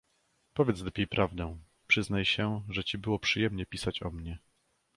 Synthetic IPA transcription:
pɔvʲjɛt̪slɛpʲjejpɾʔavd̪ɛ̃ | pʂɘznajɕɛʐɛt͡ɕibɘwɔpʂɘjɛmɲɛpʲisat͡ɕɔ̰mɲɛ

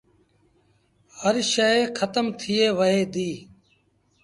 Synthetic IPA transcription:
həɾʃəekʰət̪əmt̪ʰɪeːʋəɦeːd̪iː

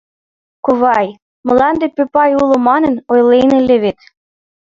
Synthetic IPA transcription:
koβɑj | mɤ̆lɑnd̪epøpɑjulŏmɑnə̆nojleneleβet̪

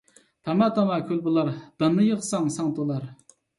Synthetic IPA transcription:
t̪ʰɑmɑt̪ʰɑmɑkʲʰølbɨlˠɑɾd̪̥ɑnːɨjəʁsɑŋsɑŋt̪ʰəlˠɑɾ

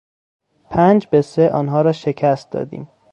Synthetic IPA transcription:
pʰæːnd͡ʒbeseʔɒ̰ːnɦɒːɾɒːʃecʰæst̪̚d̪ɒ̰ːd̪ḭːm

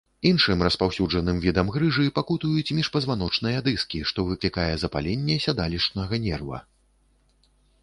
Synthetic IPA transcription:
inʂɨmrɐspawsʲud͡ʐɐnɨmvʲid̪ɐmɣɾɨʐɨpakut̪ujut͡sʲmʲiʂpɐzvan̪ɔt͡ʂnɨjɐd̪ɨskʲiʂt̪ɔvɨklʲikajɛzɐpa̰lʲenʲːɛsʲad̪alʲiʂnɐɣɐnʲɛrvɐ̰

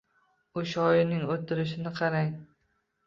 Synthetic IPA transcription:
ʊʃɒjɪnɪŋot̪ʰːɪɾɪʃ̬ɪnɪqʰɑɾaj

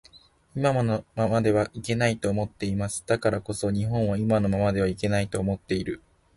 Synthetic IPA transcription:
imamanomamad̪e̞β̞aʔike̞nait̪o̞ːmo̞t̪ːe̞imasɨ̥d̪̥akaɾako̞so̞ɲ̟iɦõ̞ɰ̃β̞aimano̞mamad̪e̞βaike̞nait̪o̞ːmo̞t̪ːe̞iɾɯ̟

